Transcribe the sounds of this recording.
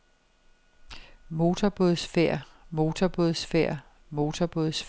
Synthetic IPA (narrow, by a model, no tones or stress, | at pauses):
mo̝ːt͡sʰɐb̥oð̩ˠsfeɐ̰ | mo̝ːt͡sʰɒb̥o̝ðˠsfeɐ̰ | mo̝ːt͡sʰɐb̥oð̩ˠsf